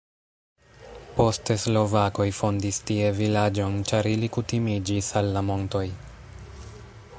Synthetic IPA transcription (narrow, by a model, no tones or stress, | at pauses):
po̞steslo̞vako̞jfo̞ndistie̞vilad͡ʒo̞nt͡ʃaɾilikutimid͡ʒisalːamo̞nto̞j